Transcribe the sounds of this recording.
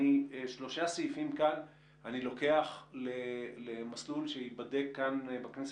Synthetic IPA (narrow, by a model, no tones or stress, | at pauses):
iʃlo̞ʃaseifimkan | anilo̞ke̞aχlelemaslulʃeibadekːanbaknes